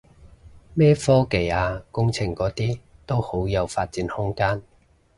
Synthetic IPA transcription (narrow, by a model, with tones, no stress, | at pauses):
mɛː˥fɔː˥ke˨˩jaː˧kʊ˥ŋt͡sʰɪ˨ŋkɔː˨˥t̪iː˥t̪o˥who˨˥wjɐ˨˧wfaː˧t̚t͡siː˨˥nhʊ˥ŋkaː˥n